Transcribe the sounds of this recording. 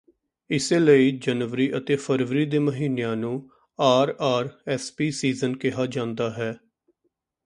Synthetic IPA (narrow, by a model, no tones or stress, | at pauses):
ɪseːləiːd͡ʒənʋəɾiːʔət̪eːpʰəɾʋəɾiːd̪eːməɦiːnejãːnũː | aːɾaːɾɛːspiːsiːzənkɪɦaːd͡ʒãːnd̪aːɦɛː